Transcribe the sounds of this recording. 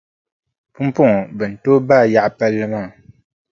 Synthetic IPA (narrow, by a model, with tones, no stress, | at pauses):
pu˦m˦pu˦ŋ˨bə˨n̩˨to˦ba˦˨ja˦˨ʔpɛ˦lɨ˦ma˦˨